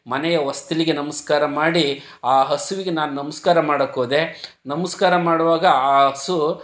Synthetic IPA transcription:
mɐnɛjɐʋɐst̪iliɡenɐmɐskaːɾɐmaːɽi | aːɦɐsuʋiɡe̞naːnunɐmɐskaːɾɐmaːɽɐkːoːd̪e̞ | nɐmɐskaːɾɐmaːɽuʋaːɡɐaːɦɐsu

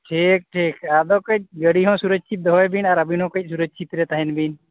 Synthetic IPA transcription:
ʈʰik̚ʈʰikad̪ɔkəc̚ɡəɽiɦɔ̃suɾəd͡ʒ̚t͡ʃʰit̪̚d̪ɔɦɔjbinaɾəbinɦɔ̃kəc̚ˀsuɾəd͡ʒ̚t͡ʃʰit̪ɾɛt̪aɦɛnbin

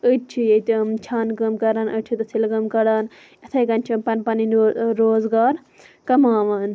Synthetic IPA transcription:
əʈt͡ʃʰijet̪ɨmt͡ʃʰaːnkɐmkɐɾaːnət͡ʃʰit̪ɨsilɡɐmkɐɾaːn | ɐt̪ʰɐjkɐnt͡ʃʰimpɐnpɐninːɾoːzɡaːɾ | kɐmaːʋɐːn

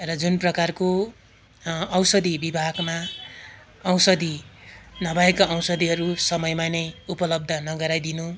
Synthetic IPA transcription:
rʌd͡zunprʌkarko | ʌwsʌd̪ibibʱaɡma | ʌwsʌd̪inʌbaekaʌwsʌd̪iɦʌɾusʌmʌjmanʌjupʌlʌb̚d̪ʱʌnʌɡʌɾajd̪inu

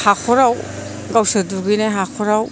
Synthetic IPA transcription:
hakʰɔɾaw | ɡawsaduɡineɦakʰoɾaw

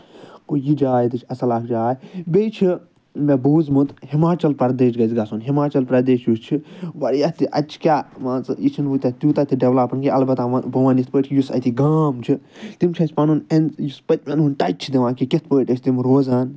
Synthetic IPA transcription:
kujid͡ʒaːjt̪ɨt͡ʃʰɐsɐlaːkʰd͡ʒaːjbʲejt͡ʃʰi | mebuːzmut̪himaːt͡ʃɐlpɐɾd̪eːʃɡɐzɡɐsunɦimaːt͡ʃɐlpɾɐd̪eːʃjust͡ʃʰiʋɐɾjɐt̪iʔɐ̰t͡ʃʰi̥kʲaːmãːt͡sit͡ʃʰinʋut̪ʲɐt̪ʲuːt̪ɐt̪iɖeʋlapɐnkiɐlbɐt̪aɐbɐʋanist̪pəːʈkʰijusɐ̰t̪iɡaːmt͡ʃʰit̪imt͡ʃʰɐsʲpɐnunenjuspɐt̪̚ʲmʲɐnunʈ̪ɐt͡ʃʰid̪iʋãːkiket̪̚ʰpəːʈʲɐt͡ʃʰt̪imɾoːzaːn

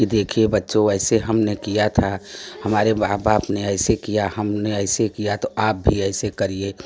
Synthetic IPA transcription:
kid̪eːkʰiebɐtːʃoɛːɪseɦɐmnekijat̪ʰahɐmaːɾeaːbaːpneɛːɪsekijaɦɐmneɛɪsekijat̪oaːp̚bʱiɛɪsekɐɾieː

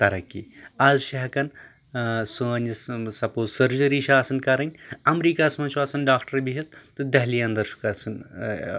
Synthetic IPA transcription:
t̪ɐɾɐkːḭːɐzʃɐɦɐkɐn | sunissɐpoːzsɐɾd͡ʒɐɾiːʃaːsɐnkɐɾɐnʲɐmɾiːkasmɐnʃʰaːsɐnɖaːkʈɐɾbiɦit̪̚ːɨd̪ɐɦliːɐnd̪ɐɾʃu̥kɐsɨn

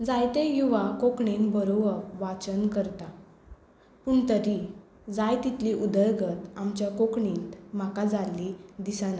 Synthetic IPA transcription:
d͡zajt̪ejuʋakokɳinbəɾobəɾʋat͡ɕənkəɾt̪a | puɳt̪əɾi | d͡zajt̪it̪liʔud̪əɾɡət̪amt͡ɕjakokɳint̪m̤akad͡zalid̪isana

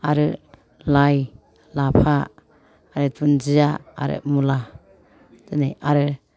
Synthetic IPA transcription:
aɾɯ | laj | lapʰaː | ɾɯtund͡ʒijaa̰ɾɯ̰mula | dɯnejaɾɯ

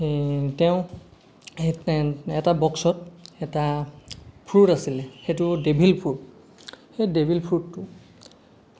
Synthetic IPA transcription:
tɛʊ̃ | ɛtabɔksɔt̚ɛta | pʰɹutasilɛxetʊdebʱilpʰut | xejdebʱilpʰɹutːʊ

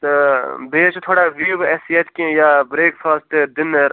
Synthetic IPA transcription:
beːt͡ʃt̪ʰoːɽaːʋiʋɛːsijɐt̪kĩjaːbɾeːkfaːsʈ̪d̪ɪn

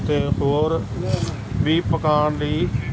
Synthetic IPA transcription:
t̪eːhoːɾ | ʋiːpəkaːɳləiː

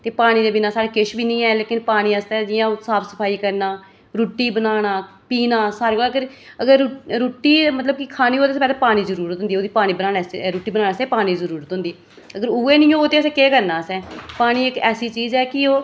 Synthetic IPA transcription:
t̪eːpaːɽ̃iːd̪eːbɪnaːsaːɽeːkɪʃbiːnĩːɛːleːkɪnpaːɽ̃iːəst̪ɛːd͡ʒɪjãːsaːpʰsəpʰaːiːkəɾnaː | ɾuːʈːiːbənaːnaː | piːnaːsaːɾeːkoːləɡəɾ | əɡəɾɾuːʈːiːmət̪ləb̚kɪkʰaːniːɦoːt̪eːspɛːlaːpaːɽ̃iːzəɾuːɾət̪ɦʊ̃nd̪iːoːd̪iːpaːɽ̃iːbənaːnɛːsɾuːʈiːbənaːnaːsɛ̃ːpaːɽ̃iːzəɾuːɾət̪ɦʊ̃nd̪iː | əɡəɾuːeːnĩːõːoːt̪eːəsɛ̃ːkeːkəɾnaːsɛ̃ːpaːɽ̃iːɪkɛːsiːt͡ʃiːzɛːkɪoː

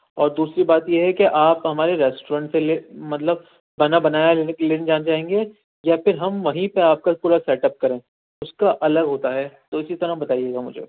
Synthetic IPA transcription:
ɔːɾd̪uːsɾibaːt̪jeɦɛkeʔaːpɦɐmaːɾeɾɛːsʈoɾãːɳʈselemɐt̪ləb | bɐnabɐnaːjaleːned͡ʒaːnad͡ʒaːɦẽːŋɡe | jafɪɾɦɐmʋɐɦĩpeaːp̚kapuːɾasɛːʈəp̚kɐɾẽː | ʊskaʔɐləɡɦoːt̪aɦɛt̪oɪsit̪ɐɾaɦbɐt̪aːijeːɡamʊ̰d͡ʒʱḛː

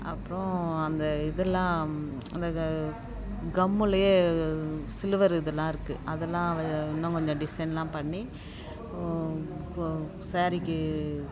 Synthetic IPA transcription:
ɐpːɯɾõɐnd̪ɐɪðɛlːãːɐ̰nd̪ɐ | ɡɐmːɯlɐjeː | sɪlɯʋɐɾɪðɐlːãːɪɾɯkːɯʔɐðɛlːãːɐɪnːɐ̃kɔɲd͡ʒɔ̃ɖɪsɐɪnlãːpɐɳːi | saːɾɪkːɯ

